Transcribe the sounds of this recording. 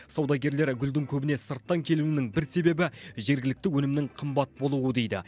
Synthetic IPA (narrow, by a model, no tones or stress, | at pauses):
sɑwd̪ɑɡʲe̞ɾle̞ɾɡʲʏld̪ɪŋkʲʰɵbɪne̞səɾt̪ːɑŋkʲʰe̞luɪnɪŋbɪɾse̞be̞bɪʒe̞ɾɡʲɪlɪk̚t̪ɪwɵnɪmnɪŋqʰəmbɑt̪̚bo̞lˠuəd̪e̞jd̪ɪ̰